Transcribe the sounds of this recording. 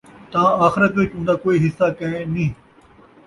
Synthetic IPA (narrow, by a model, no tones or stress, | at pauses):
t̪ãːaːxɪɾət̪ʋɪt͡ʃʊ̃nd̪aːkoːiɦɪsːaːkɐ̃ẽnĩː